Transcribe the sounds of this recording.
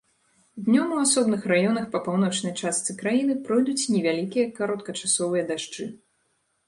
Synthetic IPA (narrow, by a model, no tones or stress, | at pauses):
d̪ʲnʲɔmuasɔbnɨxrajɔnɐxpɐpawn̪ɔt͡ʂnɐjt͡ʂast̪sɨkɾajinɨpɾɔjd̪ut͡sʲnʲɛvʲalʲikʲijɐkaɾɔt̪̚kɐt͡ʂasɔvɨjɐd̪aʂt͡ʂɨ